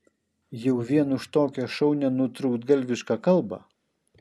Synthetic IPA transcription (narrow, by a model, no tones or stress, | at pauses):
jɛʊʋʲiɛnʊʃt̪oːkʲɛʃɔʊnʲɛnʊt̪ɾʊkt̪ɡɐlʲʋʲɪʃkɑkɐlˠbɐ̰